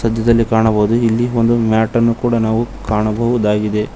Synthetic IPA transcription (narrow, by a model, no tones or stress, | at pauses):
sɐd̪ʱjɐd̪ɐlːikaːɳɐbɐɦud̪uilːio̞nd̪umaːʈɐnːukuːɽɐnaːʋukaːɳɐbɐɦud̪aːɡid̪e̞